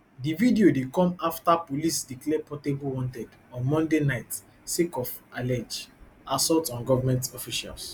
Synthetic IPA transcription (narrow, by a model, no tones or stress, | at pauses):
dividiodekɔ̃maftapolisdiklɛpɔtebuwɔ̃ntɛd | ɔ̃nmɔ̃ndenaɪt | sekɔf | alɛd͡ʒ | asɔltɔ̃nɡɔvamɛ̃ntɔfiʃa̰ls